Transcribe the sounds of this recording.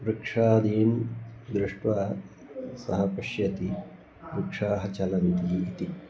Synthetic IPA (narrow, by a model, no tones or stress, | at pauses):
ɾɪkʂaːd̪iːmd̪ɾɪʂʈʋaː | sɐ̰ɦɐpɐʃjɐt̪i | ɾikʂaːɦɐt͡ʃɐlɐnt̪iːit̪i